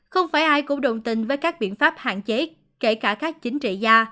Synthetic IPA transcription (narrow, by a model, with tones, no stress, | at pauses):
xə˧wŋ͡mfaː˧˩jʔaː˧jkʊ̰˧˥ɗə̰˨˩wŋ͡mt̪ï˨˩ŋ̟vəː˨˦jkaː˦˥k̚ɓḭ˧˨ənfaː˦˥p̚ha̰ː˧˨nt͡ɕe˨˦ | ke˧˩kaː˧˩kaː˦˥k̚t͡ɕï˨˦ŋ̟t͡ɕḭ˧˨zaː˧